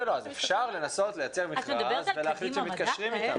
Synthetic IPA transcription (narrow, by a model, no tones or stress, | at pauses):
eloazefʃaʁle̞naso̞t̪lejat͡seʁmiχazveleaχlit͡svemit̪̚kaʃʁimit̪am